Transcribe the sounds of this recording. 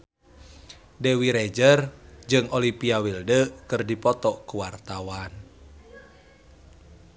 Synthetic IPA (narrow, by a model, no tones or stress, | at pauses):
dɛwiɾɛd͡ʒərd͡ʒɨŋʔolipiawildəkɨrdipɔt̪ɔkuwart̪awan